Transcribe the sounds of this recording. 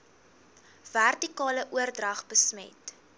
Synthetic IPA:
værtikɑːləʔuərdrɐχbəsmɛ̰t

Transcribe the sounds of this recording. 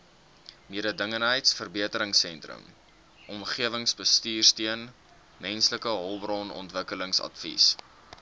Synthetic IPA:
miəɾədəŋənɦəjtsfərbiətəɾəŋsɛntrə̰m | ʔɔmχiəvəŋsbəstiːrstiən | mɛnsləkəɦɔlˠbrɑnɔ̰ntvəkələŋsɐ̰tfḭs

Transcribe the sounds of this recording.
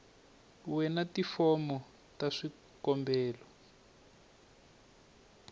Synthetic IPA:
wɛnatifɔmɔ | taʂi | kɔmbɛːlɔ

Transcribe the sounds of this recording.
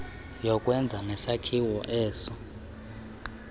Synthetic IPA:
jɔkʼwɛnd͡zʱanɛsakʰiwɔʔɛːsɔ

